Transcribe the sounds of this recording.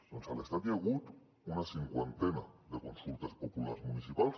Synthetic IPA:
sonsalest̪ad̪jeɣut̪ | unasiŋkwent̪enaðe̞ko̞nsult̪aspopulasmunisipals

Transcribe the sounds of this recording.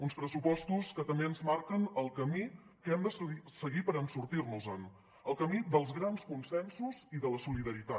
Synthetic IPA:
unspɾəsupɔst̪uskət̪əmbeənzmaɾkənəlˠkəmi | kɛmd̪əssəɣipəɾənsuɾt̪irnuzən | əlˠkəmid̪əlˠzɣɾanskunsɛnsuziðələsuliðəɾit̪a

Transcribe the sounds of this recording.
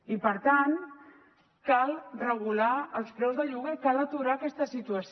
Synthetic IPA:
ipəɾt̪an | kalˠrəɣ̞ulaəlˠspɾɛwzðəʎuɣəkalət̪uɾaəkɛst̪əsit̪uəs

